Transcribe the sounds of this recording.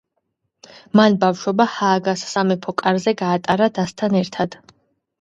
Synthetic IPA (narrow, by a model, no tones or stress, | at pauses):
manbafʃwɔbahaːɡassamɛpʰɔkʼaɾzɛɡaːt̪ʼaɾad̪ast̪ʰanɛɾt̪ʰad̪̥